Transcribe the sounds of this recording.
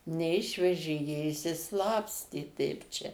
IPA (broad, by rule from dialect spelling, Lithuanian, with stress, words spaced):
nʲɛˈɪʃʲʋʲɛʒʲeː jiɛ ɪʃʲsʲɪˈslˠɑːpʲsʲtʲeː tʲɛɪp ˈt͡ʃʲɛ